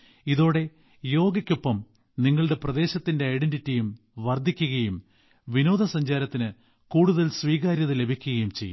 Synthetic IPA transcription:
iðo̞ːɽe̞ | jo̞ːɡɐkʲːopːɐm | niŋːɐɭɽe̞prɐðe̞ːɕɐt̪ːinde̞ɐjɽenditːijum | ʋɐrd̪ʱːikʲːuɣɐjum | ʋino̞ːd̪ɐsɐɲd͡ʑaːɾɐt̪ːinɨ | kuːɽuðɐlsʋiːɣaːɾjɐðɨle̞bʱikʲːuɣɐjumt͡ɕe̞̰jːṵ

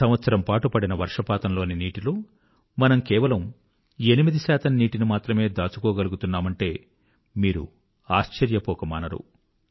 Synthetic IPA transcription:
sɐmʋɐt̪sɐɾɐmpaːʈupɐɽinɐʋɐɾʂɐpaːt̪ɐmlo̞ːniniːʈiloː | mɐnɐmkɛːʋɐlɐm | e̞nimid̪isaːt̪ɐnːiːʈinimaːt̪ɾɐme̞ːd̪aːt͡ʃukɔːɡɐluɡut̪unːaːmɐɳʈe̞ː | miːɾṵ | aːʃt͡ʃɐɾjɐpɔːkɐma̰ːnɐɾṵ

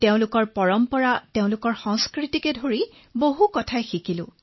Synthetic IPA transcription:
teʊ̃lʊkɔɹpɔɹɔmpɔɹateʊ̃lʊkɔɹxɔ̃ŋskɹitikɛdʱoɹi | boɦukɔtʰajxikilʊ̰̃

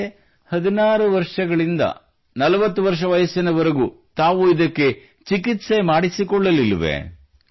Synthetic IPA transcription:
hɐd̪inaːɾuʋɐɾʂɐɡɐɭind̪ɐ̰ | nɐlɐʋɐt̪ːuʋɐɾʂɐʋɐjɐsinɐʋɐɾeɡut̪aːʋuid̪ɐkːe̞ | t͡ʃikit̪se̞maːɽisikɔɭːɐlilʋḛ

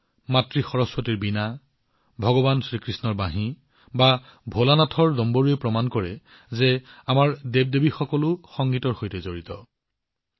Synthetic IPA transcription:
matɹixɔɹɔspɔtiɹbina | bʱɔɡɔbansɹikɹisnɔɹbaɦĩ | ba | bʱolanatʰɔɹdɔmboɹiepɹɔmankɔɹɛ | zeamaɹdeb̚debixɔkɔlʊxɔŋɡitɔɹxojtɛzoɹitɔ

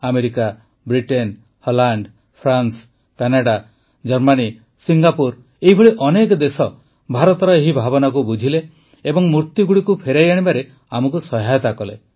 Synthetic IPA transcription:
ameɾika | bɾiʈen | hɔlaɳɖ | pʰɾans | kanaɽa | d͡ʒɔɾmani | siŋɡapuɾ | eɦibʱɔɭiʔɔnekɔd̪esɔ | bʱaɾɔt̪ɔɾɔeɦibʱabɔnak̬ubud͡ʒʱile | ebɔŋmuɾt̪jiɡuɽikupʰeɾajaɽ̃ibaɾe | amɔkusɔɦajɔt̪akɔlḛ

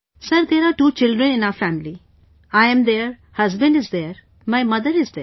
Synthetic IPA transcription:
sɐɾd̪eːɾaːɾʈuːt͡ʃɪlɖɾə̃nɪ̃naʊɾfæmɪli | aɪɛ̃md̪eːɾ | hɐzbə̃ɳɖɪzd̪eːɾ | maɪmʌd̪əɾɪzd̪eː

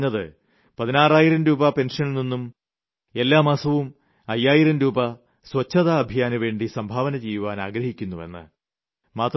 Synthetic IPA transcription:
ɲːɐðɨ | pɐðinaːraːjiɾɐmɾuːbɐpe̞nʂɐnlninːum | e̞lːaːmaːsɐʋum | ɐjːaːjiɾɐmɾuːbɐ | swɐt͡ɕːɐðaːbʱijaːnuʋe̞ːɳɖisɐmbʱaːʋɐnɐt͡ɕejːuʋaːna̰ːɡɾɐhikʲːunːuʋe̞̰nːɨ̰ | maːt̪r

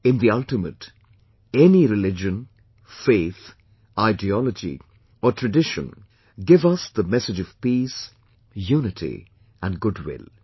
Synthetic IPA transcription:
ɪ̃nðiʌltɨmət | ɛniɾɨlɪd͡ʒɨ̃n | feɪθ | ʔaɪdiɔləd͡ʒḭ | əʈʰɹɨɖɪʃə̰̃n | ɡɪvʌsðəmɛsɨd͡ʒʌv̥piːs | juːnɨtʰḭ | ə̃nɡʊdwɪ̰lˠ

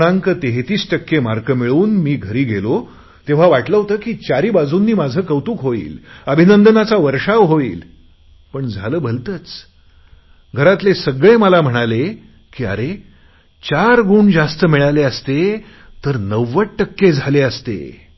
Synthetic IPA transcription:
ɽãŋkət̪eɦet̪iːsʈəkːemaɾkəmiɭuːnmiːɡʱəɾiːɡʱelo | t̪eʋ̤aʋaʈləɦot̪əːkiːt͡ɕaɾiːbad͡zʱuːnːiːmad͡zʱəːkəʋt̪uːkɦoḭːləbʱinənd̪ənat͡saʋəɾʂaʋɦoḭːl | pəɳd͡zʱaləːbʱəlt̪ət͡s | ɡʱəɾat̪lesəɡɭeməlam̤əɽ̃ale | kiːa̰ɾe | t͡ɕaɾɡuːɳd͡zast̪əmiɭaleəst̪e | t̪əɾnəʋːəʈʈəkːed͡zʱaleəst̪ḛ

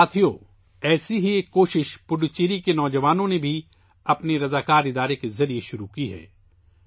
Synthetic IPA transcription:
aːt̪ʰijo | ɛːsiɦieːkːoːʃɪʃpʊɖt͡ʃeːɾikenɔːd͡ʒɐʋaːnõnebʱi | ɐpneɾɐzaːkaːɾɪd̪aːɾekezɐɾieʃʊɾukiɦɛ̰ː

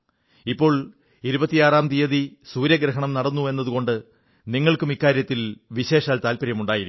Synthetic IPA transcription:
ipːo̞ːɭ | iɾubɐt̪ːijaːraːmt̪ijɐðisuːɾjɐɡɾɐɦɐɳɐmnɐɽɐnːue̞nːɐðuko̞ɳɖɨ | niŋːɐɭkumikːaːɾjɐt̪ːilʋiɕe̞ːʂaːlt̪aːlpɐɾjɐmuɳɖaːjiɾukː

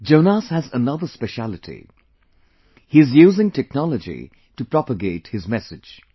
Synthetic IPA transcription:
d͡ʒoʊnashæzənʌðəspɛʃælɪtʰḭ | hiɨzjuːzɪ̃ŋtʰɛk̚nɑləd͡ʒḭ | tupɹɑpəɡeɪthɨzmɛsɨ̥d͡ʒ̥

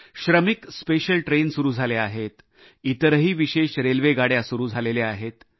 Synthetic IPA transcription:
ɕɾəmikspeɕəlʈɾensuɾuːd͡zʱaleaɦet̪ | it̪əɾɦiːʋiɕeɕɾelʋeɡaɽjasuɾuːd͡zʱaleleaɦet̪

